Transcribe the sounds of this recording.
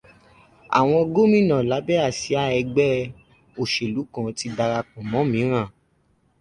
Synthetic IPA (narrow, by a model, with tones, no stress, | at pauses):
a̰˨w̃ɔ̃˧ɡo˦mĩ˦˨nã˨la˨˦bɛ˦a˦˨si˨˦a˦ɛ˧ɡ͡bɛ˦ | o˨ʃe˨lu˨˦kã˧ti˧˦da˧ɾa˧kũ˨mɔ̃˨˦mĩ˨˦ɾ̃ã˦˨